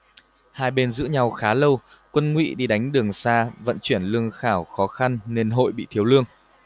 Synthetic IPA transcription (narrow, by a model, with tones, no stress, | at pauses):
haː˧jɓe˧nzɨ̰˧˥ɲa˧˩wxaː˨˦lə˧w | kwə˧nŋwḭ˧˥ɗi˧˩ɗa˨˦jŋ̟ɗɨ˨˩əŋsaː˧və̰˧˨nt͡ɕwi˧˩ənlɨ˧əŋxaː˧˩wxɔ˨˦xa˧nːe˧nɦo̰˧˨jɓḭ˧˨t̪ʰi˨˦əwlɨ˧əŋ